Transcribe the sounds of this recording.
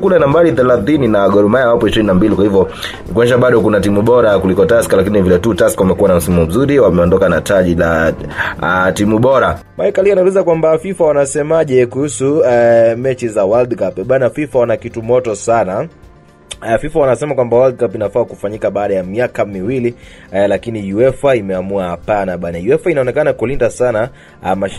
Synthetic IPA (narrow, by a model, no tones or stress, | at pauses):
kulɛnambaɾiθɛlaθininaɡɔɾɔmajawapɔiʃiɾininambilikwahivjɔ | nikwanɛʃ̬aɓaɗɔkunatimuɓɔɾakulikɔtaskalakininivilɛtuːtaskawamɛkuwanam̩simamɔm̩zuɾiwamɛɔndɔkanataʄila | timuɓɔɾa | maikalianaulizakwambafifawanasɛmaʄɛkuhusumɛt͡ʃizawaldkapɛɓanafifawanakitumɔtɔsana | afifawanasɛmakwambawald̚kapinafaːkufaɲikaɓaːɗajamiakamiwili | lakinijuɛfaimɛamuahapanaɓanajuɛfainaɔnɛkanakulindasana | ma